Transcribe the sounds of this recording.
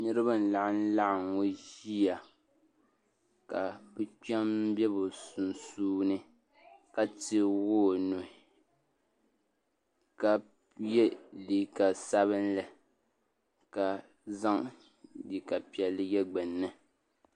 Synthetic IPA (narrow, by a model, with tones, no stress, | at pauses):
nɨ˦ɾɨ˦ba˦n̩˨la˨ʔɪ˦n̩˦la˦ʔɪ˨ŋo˦ʒi˦ja˨ | ka˨bɨ˦t͡ʃa˦m˦bɛ˦bo˨su˨n˨suː˦nɨ˦ | ka˦tɪ˦woː˦˨no˨ | ka˨ | jɛ˦li˨ka˨sa˦βɨ˦nlɨ˨ | ka˨ | za˦ŋ | li˨ka˨pi˨ɛ˨lːɨ˦jɛ˦ɡ͡bɛ˨nːɨ˦˨